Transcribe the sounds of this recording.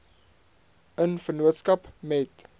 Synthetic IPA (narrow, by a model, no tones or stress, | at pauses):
ənfərnuətskɐpmɛt